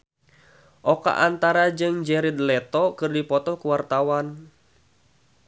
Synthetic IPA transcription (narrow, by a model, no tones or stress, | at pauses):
ʔɔka̰ʔant̪aɾad͡ʒɨŋd͡ʒɛɾid̪lɛt̪ɔkɨrdipɔt̪ɔkuwart̪awan